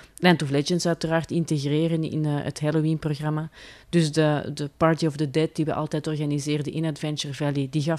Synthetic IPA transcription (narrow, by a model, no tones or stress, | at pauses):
lɛntɔflɛd͡ʒəntsœɥtəraːrtɪnteɣreːɾənɪ̰nə̰tɦɛlowinproɣrɑmad̥ʏzdədəpɑrtiɔvdədɛt̚diʋəʔɑ̰lˠtɛːtɔrɣanizeːrdəʔɪnadvɛnt͡ʃərvɛlidiɣɑ